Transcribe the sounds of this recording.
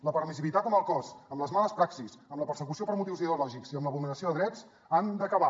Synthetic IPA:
ləpəɾmisilit̪at̪ɔməlˠkɔzəmləzmaləspɾaksisəmləpəɾsəkusiopəɾmut̪iwziðeulɔʒikziəmləβulnəɾəsioðəðɾɛd͡z | and̪əkəβa

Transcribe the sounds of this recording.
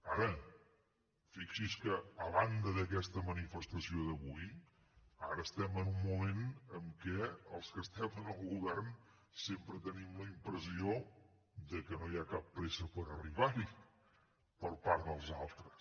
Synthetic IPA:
aɾə | fiksiskəːβand̪əðəkɛst̪əmənifəst̪əsioðəβuj | aɾəːst̪ɛmənumːumenəmkɛəlˠskəst̪ɛmənəlˠɣuβɛrn | sempɾət̪ənimləimpɾəzio | d̪əkənojakapːɾɛsəpəɾəriβaɾi | pəɾpaɾd̪əlˠzalˠt̪ɾəs

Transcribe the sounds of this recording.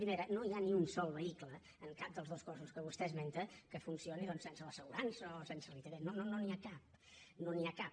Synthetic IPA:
pɾimeɾənoianiunsɔlˠβəiklə | əŋkap̚d̪əlˠzð̞oskɔsuskəβ̞ust̪ɛzment̪əkəfunsioniðɔnssensələsəɣuɾansəosensərit̪əɾenonononiakap̚ | noniakap

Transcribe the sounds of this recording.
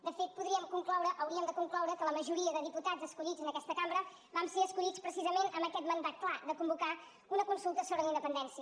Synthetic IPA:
d̪əfet̪̚puðɾiəmkuŋklɔwɾəʔəwɾiəmd̪əkuŋklɔwɾəkələməʒuɾiəðəðiput̪ad͡zəskuʎid͡zənəkɛst̪əkambɾə | bamseəskuʎit͡spɾəsizəmenʔəmbəkɛt̪mənd̪at̪̚klˠad̪əkumbuka | unəkunsulˠt̪əsoβɾələind̪əpənd̪ɛnsiə

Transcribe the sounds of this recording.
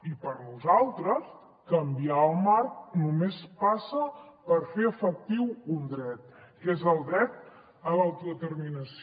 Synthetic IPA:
ipəɾnuzalˠt̪ɾəs | kəmbiaəlˠmaɾk̚numespasəpəɾfeəfək̚t̪iwund̪ɾɛt̪̚kezəlˠd̪ɾɛt̪̚ | əlawt̪uðət̪əɾminəs

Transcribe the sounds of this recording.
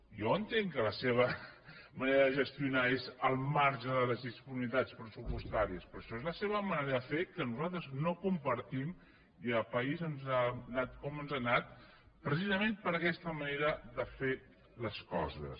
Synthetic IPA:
joənt̪eŋkələseβ̞əməneɾəðəʒəst̪iunaezəlˠmaɾʒəðələzðispunimit̪at͡spɾəsupust̪aɾiəspɾɔʃɔezləseβəməneɾəðəfekənuzalˠt̪ɾəznokumpəɾt̪im | iəpəizənzanat̪̚kɔmənzanat̪̚ | pɾəsizəmempəɾəkɛst̪əməneɾəðəfe | ləskɔ̰zə̰s

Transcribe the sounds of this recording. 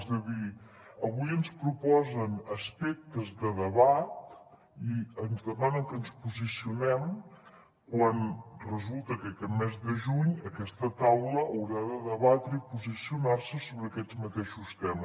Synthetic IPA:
zðəði | əβujənspɾupɔzənəspɛk̚t̪əzðəðəβat̪ | iənzðəmanəŋkənspuzisiunɛm | kwanrəzulˠt̪əkəkɛmɛzðəʒuɲəkɛst̪ət̪awləːwɾaðəðəβat̪ɾəipuzisiunarsəsoβɾəːkɛd͡zmət̪eʃust̪ɛmə

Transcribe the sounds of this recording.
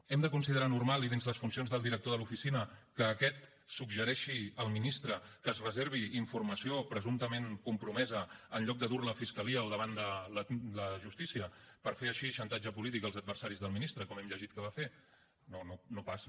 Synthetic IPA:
ɛmd̪əkunsiðəɾanurmalˠiðinzləsfunsionzðəlˠd̪iɾək̚t̪oðəlufisinəkəːkɛt̪ | suɡʒəɾɛʃiəlˠminist̪ɾəkəzrəzeɾβ̞iːɱfurməsiopɾəzunt̪əmeŋkumpɾumɛzəːnʎɔk̚d̪əðuɾləfiskəliəːlˠðəβ̞and̪ələləʒust̪isiəpəɾfeəʃiʃənt̪ad͡ʒəpulit̪ikəlˠzəd̪̚bəɾsaɾizðəlˠminist̪ɾəkɔmɛmʎəʒit̪̚kəβafe | nononopas

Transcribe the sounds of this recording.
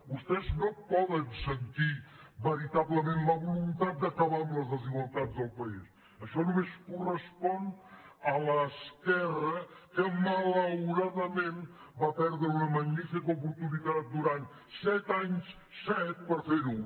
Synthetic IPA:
bust̪ɛznõpɔðənsənt̪iβəɾit̪aβləmẽnt̪ləβulunt̪at̪̚d̪əkəβamləzðəziɣwalˠt̪azðəlˠpəis | əʃɔnumeskurəspɔnalɐskɛrɐkəmələwɾaðəmẽnbapɛɾðɾəunəmɐɲnifikɐupuɾt̪uniðat̪̚d̪uɾant̪ | sɛt̪aɲs | sɛt̪̚pəɾfeɾu

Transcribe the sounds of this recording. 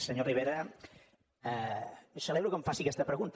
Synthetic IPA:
səɲoriβ̞eɾɐ | səleβɾukəɱfasikɛst̪əpɾəɣunt̪

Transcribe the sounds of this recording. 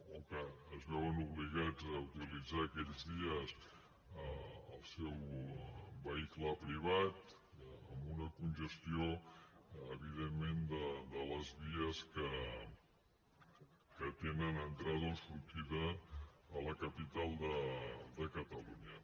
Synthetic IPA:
okəːzβɛwənuβliɣad͡zəwt̪ilid͡zaːkɛʎzðiəs | əəlˠsɛw | βəikləpɾiβ̞at̪ | əmbunəkunʒəst̪ioː | β̞iðemːend̪əd̪ələzβiəskə | kət̪enənənt̪ɾaðonsuɾt̪iðəː | ləkəpit̪alˠd̪əd̪əkət̪əluɲə

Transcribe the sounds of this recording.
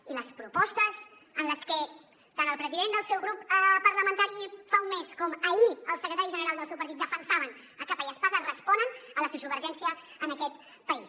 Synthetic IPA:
iləspɾupɔst̪əs | ənləskə | t̪anəlˠpɾəziðend̪əlˠsɛwɣɾupəpəɾləmənt̪aɾifaumːeskɔməʎiəlˠsəkɾət̪aɾiʒənəɾalˠd̪əlˠsɛwpəɾt̪it̪̚d̪əfənsaβən | əkapəjəspazənrəspɔnənələsusuβəɾʒɛnsiəənəkɛt̪ | pəis

